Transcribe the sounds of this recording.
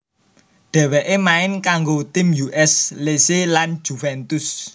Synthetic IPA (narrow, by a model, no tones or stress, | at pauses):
ɖ̥ɛ̤wɛʔemaɪnkaŋɡot̪ɪmjuʔɛsleselan̥d͡ʒ̥ufɛnt̪ʊs